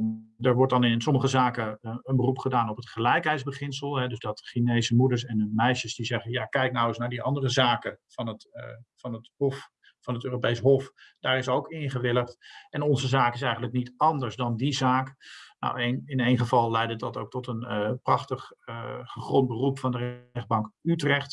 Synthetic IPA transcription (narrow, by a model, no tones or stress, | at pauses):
dəɹʋɔɹt̚dɑnɪnsɔməχəzaːkəənbərupχədaːnɔpɦətχəlɛjkɦɛjtzbəχɪnsəlˠɦɛdɵzdɑtχinejzəmudəɹs̬ɛnɦɵnmɛjʃəzdizɛχənjaːkɛjk̚nawɪsnaːɹdiɑndərəzaːkəvɑnətfɑnətɦɔf | fɑnɦətøːropejsɦɔfd̥aːɾɪsowkɪnχəʋɪlˠəχtɛnɔnzəzaːkɪs̬ɛjχənləknitɑndəɹsdɑndizaːkno̰wenɪnejnχəvɑlˠlɛjdədɑtowk̚tɔtənprɑχtəχəχrɔnt̚bərupfɑndərɛχdbɑŋkytrɛχt